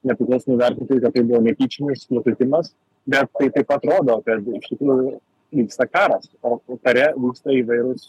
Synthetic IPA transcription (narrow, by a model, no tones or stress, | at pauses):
nʲɛpʲɾʲɪklˠɐʊsomʊʋʲɛɾʲt̪ʲɪnt̪oɪkɐt̪̚t̪ɐɪbʊʋoːnʲɛpʲiːt͡ʃʲɪnʲɪslˠokʲɪt̪ʲɪmɐs | bʲɛt̪tːɐɪt̪ɐɪpɐt̪ɾoːd̪oːkɐt̪ɪʃt̪ʲɪkɾuːjʊ | ʋʲiːkst̪ɐkɑːɾɐsoːkɐɾʲɛʋʲiːkst̪ɐiːʋɐɪɾʊs